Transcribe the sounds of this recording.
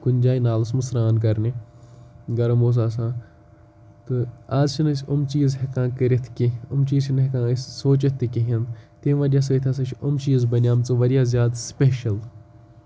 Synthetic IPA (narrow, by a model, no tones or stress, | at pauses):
kʊnʲd͡ʒaːinaːlɐs̬mɐsɾaːnk̬ɐɾne | ɡɐɾɐmoːs̬aːs̬ãː | t̪ɨaːzt͡ʃʰinɐsʲʊmt͡ʃiːzɦekãːkəɾʲit̪ʰkiʊmt͡ʃiːzʃʰinɦekãːsʲsoːt͡ʃɐt̪ʰːikiɦind̪t̪eʋɐːdʲjaːs̬et̪ʰʲas̬ɐ̃t͡ʃʰʊmt͡ʃiːzbɐnʲjaːmt͡sɨʋɐɾjaːzjaːd̪speːʃɐl